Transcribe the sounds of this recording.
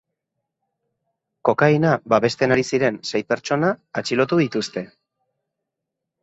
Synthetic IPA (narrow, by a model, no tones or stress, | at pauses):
ko̞kajnabaβe̞st̪e̞naɾisiɾe̞nsej̚pe̞ɾt͡ʃo̞naːt͡ʃilo̞t̪uðit̪ust̪e̞